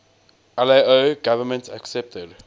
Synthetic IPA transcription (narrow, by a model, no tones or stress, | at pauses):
ɛleoɡavəmə̃ntʰa̰ksɛp̚təd